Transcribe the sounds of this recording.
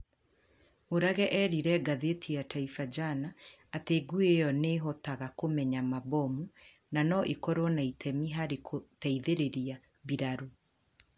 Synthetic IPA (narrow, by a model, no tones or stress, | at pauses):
oɾaɣɛʔɛɾiɾɛɡaðetʰiataifad͡ʒanaː | teɡuejɔneɦɔtaɣakomɛɲamabɔmu | nanɔʔikɔɾwɔnaitʰɛmiɦaɾekʰotɛiðeɾeɾia | βiɾaɾu